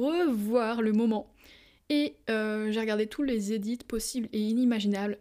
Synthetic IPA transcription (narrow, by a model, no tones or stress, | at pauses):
əvwaʁləmɔmɑ̃ | eøʒeʁəɡaʁd̪et̪ʰulezed̪it̪pɔsibleinimaʒinabl